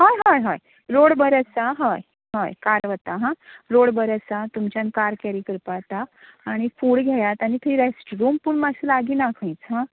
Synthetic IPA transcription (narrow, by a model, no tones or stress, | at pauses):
ɦajɦajɦaj | ɾoɽbəɾəsaɦɔj | ɦajkaɾʋət̪aɦãɾoɽbəɾəsat̪umt͡ɕjãnkaɾkɛɾikəɾpat̪aːɽ̃ifuːɽɡʱɛjat̪aɽ̃it̪ʰəiɾesʈɾumpuɳmaselaɡiːnakʰə̃jt͡sɦã